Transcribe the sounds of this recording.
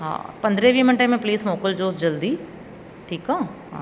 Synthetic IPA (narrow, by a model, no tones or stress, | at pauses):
ɦã̰ːpɐ̃nd̪ɾẽʋiːmɐ̃ɳʈẽmẽpliːsmoːkəld͡ʒoːsd͡ʒɐld̪iː | ʈʰiːkãːɦa̰